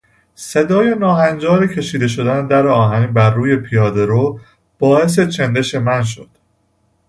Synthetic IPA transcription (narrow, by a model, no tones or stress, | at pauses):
se̞d̪ɒːjenɒːɦænd͡ʒɒːɾicʰe̞ʃiːd̪e̞ʃ̬o̞d̪ænd̪æɾeɒːɦænibæɾːuːje̞pʰijɒːd̪e̞ɾo | b̥ɒːhe̞s̬e̞t͡ʃʰend̪e̞ʃe̞mænʃ̬od̪̥